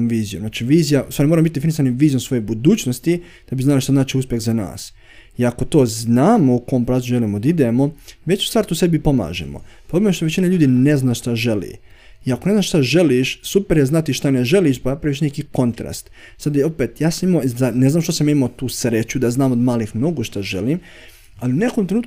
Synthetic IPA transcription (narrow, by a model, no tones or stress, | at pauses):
mʋiːzijo̰mznaːt͡ʃiʋiːzijasaɾimoɾambit̪̚d̪efinis̬animʋiːzijomsʋo̞jobud̪uːt͡ʃnost̪i | d̪̥abiznalaʃt̪aznaːt͡ʃiuspjeɣzana̰ːs | iako̞t̪o̞ːznaːmoukoompɾaːuʒe̞limod̪aid̪emo̞ʋe̞t͡ɕu̥st̪aːɾt̪uːse̞bipo̞ma̰ːʒḛmo̰pobemeʃt̪o̞ʋet͡ɕinaʎuːd̪ine̞znaːʃt̪aʒe̞lḭ | iakone̞znaːʃt̪aʒe̞liʃsupeɾjeznat̪iʃt̪aneʒe̞liʃpaapɾaʋiʃnekiko̞nt̪ɾa̰st̪ | sad̪o̞pet̪jaːsamimozane̞znaːmʃt̪osamjaːimat̪uːsɾet͡ɕud̪aznaːmod̪maːlixmno̞ɡoʃt̪aʒe̞̰lim | aliune̞komt̪ɾeuːt̪